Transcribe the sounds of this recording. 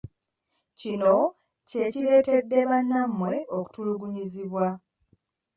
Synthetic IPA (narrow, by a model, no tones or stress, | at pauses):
cino̞ | ce̞cile̞ːte̞dːe̞βanːamːwe̞ʔo̞ku̥tuluɡuɲiziβwa